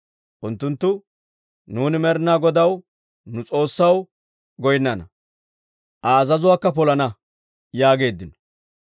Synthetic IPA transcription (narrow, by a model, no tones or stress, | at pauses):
ʔʊnt̪ːʊnt̪ːʊ | nuːnɪmɛɾɪnaːɡɔd̪ɐw | nʊt͡sʼo̞ːsːɐw | ɡɔjnːɐnɐ | ʔɐːzɐzʊwaːkːɐpɔlɐnɐ | jaːɡe̞ːd̪ːɪnɔ̥